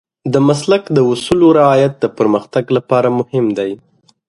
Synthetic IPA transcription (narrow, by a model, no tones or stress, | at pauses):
d̪əmaslakd̪əʊsuloɾɪɑjat̪̚d̪əpəɾməxt̪aɡlapɑɾamʊhɪmd̪aj